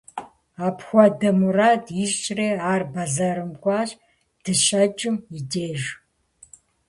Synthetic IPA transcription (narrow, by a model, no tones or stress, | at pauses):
aːpʰxʷɔdɐmuraːdiʃt͡ʃʼreːaːrbɐzɐɾɨmɡʷʼɑːɕ | d̥ɨɕɐt͡ʃʼɪmideːʒ